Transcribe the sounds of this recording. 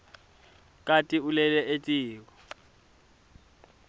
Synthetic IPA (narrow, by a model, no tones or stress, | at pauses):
kʼatʼiulɛlɛʔetʼiːk̬ɔ